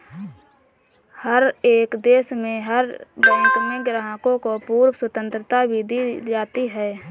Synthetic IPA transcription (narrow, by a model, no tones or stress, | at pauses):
həɾeːkd̪eːsmẽɦəɾbɛ̃ːŋkmẽɡɾɦakõkopuːɾwswət̪ə̃nt̪ɾət̪abʱid̪id͡ʒaːt̪iɦɛː